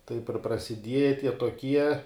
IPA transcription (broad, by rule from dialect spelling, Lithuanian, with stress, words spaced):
ˈtɐɪp ɪr prɐsʲɪˈdʲiɛjɛ ˈtʲiɛ toːˈkʲiɛ